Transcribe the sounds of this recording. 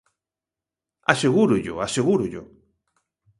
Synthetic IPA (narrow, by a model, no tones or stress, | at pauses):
aseɣuɾuʎʊ̰aseɣuɾuʎʊ̰